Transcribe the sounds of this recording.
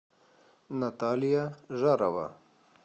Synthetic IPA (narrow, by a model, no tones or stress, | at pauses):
nat̪ɑːlijaʒaɾawa̰